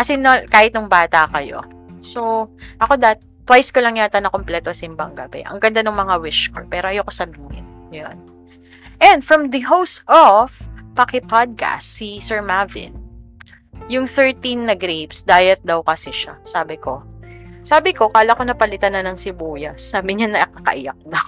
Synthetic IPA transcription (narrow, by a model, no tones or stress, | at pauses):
kɐsɛnɐkaːhɪt̪nʊŋbaːt̪ɐkɐjo̞̰ | soʔɐko̞d̪at̪ | t̪ːwajskolɐŋjat̪ɐnɐkomplɛt̪osɪmbɐŋɡɐbɛ̰ʔɐ̰ŋɡɐnd̪anʊŋmɐŋawɪʃkopɛːɾoʔɐjokɐsɐmŋɪ̰njon | ʔɛnd̪fɹɐmd̪ɐɦowst̪ʔofpɐkɪpad̪̚ka̰st̪sisɛɹmavɪ̰n | jʊŋθɛɹt̪inːɐɡɾebsd̪aːjɐt̪̚d̪ɐwkɐsɪʃasaːbɪko̞saːbɪko̞kaːlɐkonɐpɐlɪt̪anɐnɐŋsɪbuːjɐsːaːbɪɲanɐʔikɐkɐ̰ʔɪjak̚nɐk